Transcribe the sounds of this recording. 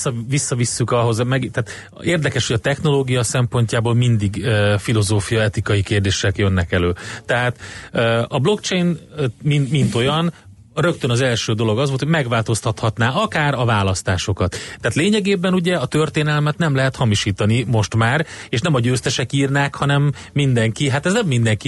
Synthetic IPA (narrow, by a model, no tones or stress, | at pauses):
ɒvisːɒvisːykɒɦo̞zmɛɡt̪ɛːt̪ | eːrd̪ɛkɛʃhoɟɒt̪ɛxno̞loːɡijɒsɛmpo̞ɲcaːboːlmind̪iɡøfilo̞zoːfijɒɛt̪ikɒjikeːrd̪eːʃɛkjønːɛkɛløːt̪ɛɦaːt̪øɒblo̞kt͡ʃejnminmint̪o̞jɒn | rø̞kt̪ønɒzɛlʃøːd̪o̞lo̞ɡɒzʋolt̪ʰoɟʲmɛɡʋaːlt̪o̞st̪ɒt̪hɒt̪naːɒkaːɾɒvaːlɒst̪aːʃo̞kɒt̪ːɛaːt̪leːɲɛɡeːbɛnuɟɛɒt̪ø̞rt̪eːnɛlmɛt̪nɛmlɛɦɛt̪hɒmiʃiːt̪ɒnimo̞ʃt̪maːreːʃnɛmɒɟøːst̪ɛʃɛkiːrnaːkhɒnɛmː | ind̪ɛŋkiɦat̪ɛznɛmːind̪ɛŋki